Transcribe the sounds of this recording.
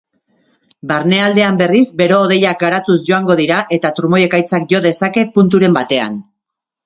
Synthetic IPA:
baɾne̞ald̪e̞ambe̞rizbe̞ɾo̞ːðe̞jak̚ɡaɾat̪usʝo̞aŋɡo̞ð̞iɾaʔe̞t̪at̪uɾumo̞je̞kajt͡sak̚ʝo̞ðe̞sake̞punt̪uɾe̞mbat̪e̞a̰n

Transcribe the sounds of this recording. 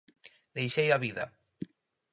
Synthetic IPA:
d̪ejʃejaβiðɐ

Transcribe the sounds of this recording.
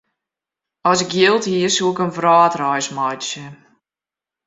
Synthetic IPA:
ɔsɪkjɪlˠthiərsuɪkənvraːtrɔjsmɔjtsjə

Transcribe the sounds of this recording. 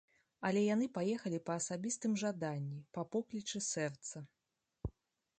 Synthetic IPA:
ɐlʲɛjan̪ɨpajɛxɐlʲipɐːsabʲist̪ɨmʐad̪anʲːipɐpɔklʲit͡ʂɨsɛrt̪sɐ

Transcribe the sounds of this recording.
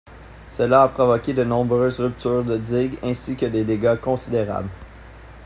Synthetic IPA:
səlaːpχɔvɔkʲed̪ənɔ̃bʁøːzʁyp̚t̪yːʁd̪əd̪iɡɛ̃sikʲəd̪ed̪eɡakɔ̃sid̪eʁa̰bl

